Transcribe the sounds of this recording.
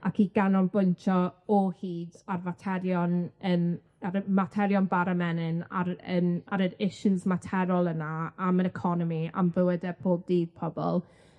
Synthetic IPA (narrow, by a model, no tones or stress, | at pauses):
akʰiɡanɔnbʊntʰɔɔhiːdarvatʰɛɾjɔnəːm | aɾmatʰɛɾjɔnbaɾamɛnɪna̰ɾə̰ːmaɾəɾɪʃuzmatʰɛɾɔlˠənaaməɾɛkʰɔnɔmia̰mvəwədɛb̥ʰoːb̚diːd̥̚pʰɔbɔ̰lˠ